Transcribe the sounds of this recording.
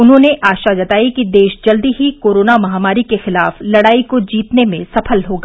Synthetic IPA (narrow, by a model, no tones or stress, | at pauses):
ʊnɦõːneʔaːʃad͡ʒɐt̪aːikid̪eːʃd͡ʒɐld̪iɦikoːɾoːnamɐɦaːmaːɾikexɪla̰ːflɐɽaːikod͡ʒiːt̪nemẽsɐpʰəlɦoːɡaː